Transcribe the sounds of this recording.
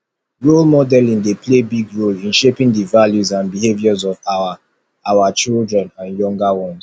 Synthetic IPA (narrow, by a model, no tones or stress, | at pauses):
ɹolmɔdɛlĩndeplebiɡɹolĩnʃepĩŋdivaljuzãnbiɦevjɔzɔvawa | awat͡ʃildɹɛ̃nãnjɔ̃ŋɡawɔ̃nz̥